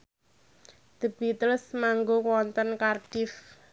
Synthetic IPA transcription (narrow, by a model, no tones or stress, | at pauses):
d̪̥ə̤b̥i̤t̪əɾʊsmaŋɡokwɔnt̪ənkarɖ̥ɪf